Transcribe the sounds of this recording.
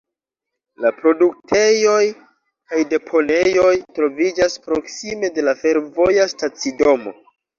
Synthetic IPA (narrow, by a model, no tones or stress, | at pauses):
lapɾo̞duk̚tʰe̞jo̞j | kajde̞pʰo̞ne̞jo̞jtɾo̞vid͡ʒaspɾo̞ksime̞de̞lafe̞ɾvo̞jastat͡sido̞mo̞̰